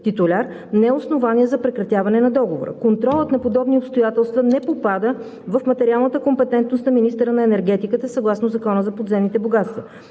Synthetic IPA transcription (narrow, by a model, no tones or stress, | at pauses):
t̪it̪ʊlʲaɾ | nɛɛosnovaniɛzɐpɾɛkɾɐt̪javɐnɛnɐd̪ɔɡovo̰ɾə̰kont̪ɾɔlˠət̪nɐpod̪ɔbniopst̪ojat̪ɛlˠst̪vənɛpopad̪ə | vɐfmɐt̪ɛɾialˠnət̪əkompɛt̪ɛnt̪nost̪nɐminist̪əɾənɐɛnɛɾɡɛt̪ikət̪əsɐɡlˠasnozɐkɔnəzɐpod̪zɛmnit̪ɛboɡat̪st̪və